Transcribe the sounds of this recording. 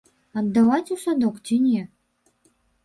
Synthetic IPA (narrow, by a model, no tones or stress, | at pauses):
ɐd̪ːavat͡sʲusad̪ɔkt͡sʲinʲɛ